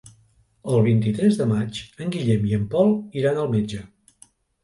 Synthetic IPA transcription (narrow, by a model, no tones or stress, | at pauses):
əlˠβ̞int̪it̪ɾɛzðəmat͡ʃəŋɡiʎɛmiəmpɔlˠiɾanəlˠmed͡ʒə